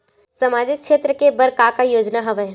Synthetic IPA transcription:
sɐmaːd͡ʒɪkʃeːt̪ɾəkebɐɾkaːkajoːd͡ʒnaɦɐʋə

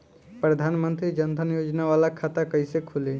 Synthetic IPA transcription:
pɾəd̪ʱanmənt̪ɾid͡ʒənt̪ʰənjod͡ʒnaʋalakʰat̪akəjsekʰule

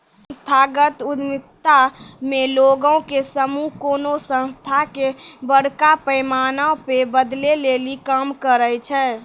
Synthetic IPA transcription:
st̪ʰaɡət̪ud̪mɪk̚t̪ameloɡə̃kesəmuɦkoːnosə̃nst̪ʰakebəɽkapəjmanaõpebəd̪lelelikəmkəɾəjt͡ʃʰɛ

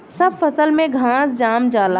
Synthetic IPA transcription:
sɐbfɐsəlmẽɡʱãːsd͡ʒaːmd͡ʒaːlaː

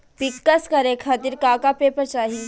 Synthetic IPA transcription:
pɪkːəskəɾekʰaːt̪iɾkaːkapeːpəɾt͡ʃaːɦi

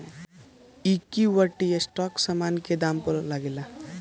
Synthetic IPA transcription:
ikiwəʈijesʈɔksamanked̪aːmpəɾlaɡela

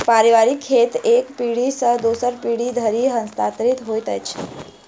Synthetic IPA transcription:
paɾiʋaɾikʰːet̪ekpiɽisəd̪usəɾpiɽid̪ʱəɾiɦə̃nst̪at̪ɾit̪ɦojt̪ət͡ʃʰe

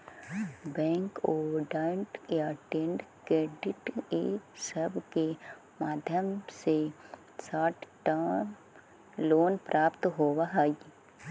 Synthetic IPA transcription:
bɛ̃ːŋkoːɖaːɳʈjaʈeːɳɖkɾeːɖɪʈḛsəbke | maːd̪ʱjəmse | saːʈʰʈa | loːnpɾʔaːpt̪ɦoːʋaɦaɡi

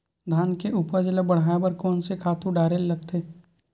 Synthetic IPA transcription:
d̪ʱaːnkeʔuːpəɾd͡ʒələbɐɽ̤aːebɐɾkɔːnsekʰaːt̪ũɖaːɾellɐɡ̚t̪ʰeː

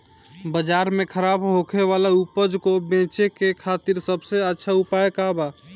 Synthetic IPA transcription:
bəd͡ʒaɾmekʰəɾabɦokʰeʋalaupəd͡ʒkobẽt͡ʃekekʰat̪iɾsəbseətːʃʰaupajekaba

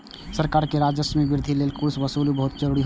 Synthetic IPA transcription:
səɾkaːɾkeɾaːd͡ʒəsmiʋɪɾd̪ʱileːlkʊɾsʋɐsuːlubɐɦʊt̪̚d͡ʒəɾuːɽiɦ

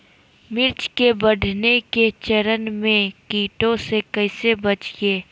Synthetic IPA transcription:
mɪɾt͡ʃkebəɖʱneket͡ʃəɾənmẽkiːʈõsekɐɪsebɐt͡ʃieː

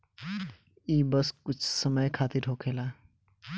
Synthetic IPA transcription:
ibʌskut͡ʃʰsəməjkʰat̪iɾɦokʰela

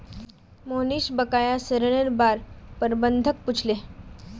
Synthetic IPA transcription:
moniːɕbəkajasəɾəɽ̃eɾbaɾpəɾbənd̪ʱək̚put͡ʃʰle

